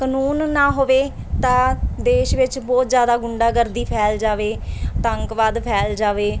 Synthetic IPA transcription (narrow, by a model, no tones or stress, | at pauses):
kənuːnːãːɦoːʋeː | t̪ãːd̪eːʃʋɪt͡ʃbɔːt̪zjaːd̪aːɡʊɳɖaːɡəɾd̪iːpʰɛːld͡ʒaːʋeːt̪əŋkʋaːd̪pʰɛːld͡ʒaːʋeː